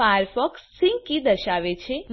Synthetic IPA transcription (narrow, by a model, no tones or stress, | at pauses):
aəɾfɔksːĩŋɡkid̪əʃaʋet͡ʃʰem